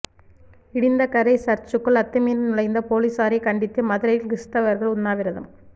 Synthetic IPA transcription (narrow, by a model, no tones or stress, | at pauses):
ɪɽɪnd̪ɐkɐɾɐɪsɐɾt͡ʃːɯkːɯɭɐt̪ːɐmiːnnʊɻɐɪnd̪ɐpoːliːsaːɾɐɪkɐɳɖɪt̪ːɯmɐðɯɾɐjɪlɡɪst̪ɐʋɐɾɣɐɭʊnːaːʋɪɾɐðɐ̰m